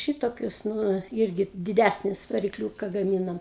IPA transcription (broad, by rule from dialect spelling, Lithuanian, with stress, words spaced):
ˈʃʲɪtoːkʲʊs ˈnʊ ˈɪrʲɡʲɪ dʲɪˈdʲæsʲnʲɪs ʋɐrʲɪkˈlʲuːkɐ ɡɐˈmʲiːnɐm